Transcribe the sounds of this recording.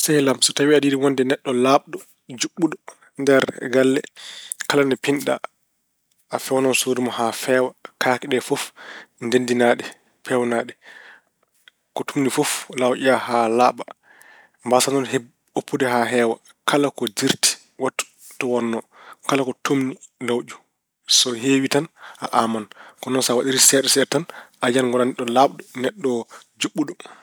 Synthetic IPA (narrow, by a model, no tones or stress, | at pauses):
sajlamsɔtawiadiːdiwɔndɛnɛɗːɔlaɓɗɔ | d͡ʒuɓːuɗɔ | ndɛɾɡalːɛ̰kalanɛpinɗa̰ | afɛwnɔnsoːɾimɔhafɛːwakakiɗɛfofndendinaɗɛ | pʰɛwnaɗɛ | kɔtumnifoflawʔiahalaːɓa | mbasanɔnhe | opʰːudɛɦaɦɛːwa | kalakɔd͡ʒiɾti̥ | watːu̥ | tɔwɔnːɔ | kalakɔtʰumnilawd͡ʒu | sɔɦewitanʔaʔamankɔnɔnsawaɗiɾisɛːɗɛsɛtanʔad͡ʒanŋɡɔlanɛɗɔlaɓɗɔnɛɗːɔ | d͡ʒuɓːuɗɔ